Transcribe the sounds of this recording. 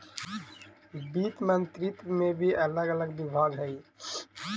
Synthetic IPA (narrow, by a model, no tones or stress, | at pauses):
biːt̪mənt̪ɾit̪mẽbʱiələɡələɡbibʱaːɡɦɛi